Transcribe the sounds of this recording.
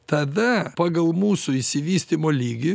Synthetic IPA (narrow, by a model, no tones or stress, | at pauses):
t̪ɐd̪ɐpɑːɡɐlˠmuːsʊɪsʲɪʋʲiːsʲt̪ʲimoːlʲiːɡʲɪ